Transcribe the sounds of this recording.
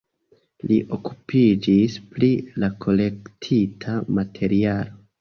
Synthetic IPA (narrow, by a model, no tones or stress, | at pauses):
liʔo̞kupʰid͡ʒisplilakʰo̞le̞ktʰitʰamatʰe̞ɾialo̞